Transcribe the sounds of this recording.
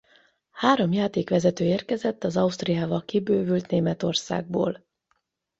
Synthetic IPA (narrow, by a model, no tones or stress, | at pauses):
haːɾo̞mjaːt̪eːkʋɛzɛt̪øːeːrkɛzɛt̪ːɒzɒust̪rijaːvɒkibøːvylt̪neːmɛt̪o̞rsa̰ːɡ̚bo̰ːl